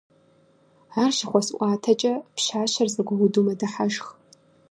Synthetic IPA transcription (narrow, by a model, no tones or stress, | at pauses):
aːrʃɪχʷɔsʔʷʼaːtʰɐt͡ʃʼɐpʃaːɕɐrzɐɡʷɐwʊdumɐdɐħaʒχ